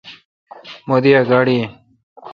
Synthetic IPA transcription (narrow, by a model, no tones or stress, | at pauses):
mod̪iaɡaɽi